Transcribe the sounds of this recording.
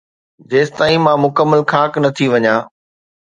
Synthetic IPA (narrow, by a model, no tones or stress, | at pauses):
d͡ʑeːst̪aːĩmãmʊkəmːəlkʰaːknɐt̪ʰiʋɐɲãː